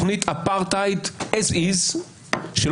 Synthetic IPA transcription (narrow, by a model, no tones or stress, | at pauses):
χnit̪ʰapaʁt̪ajt̪esiz | ʃel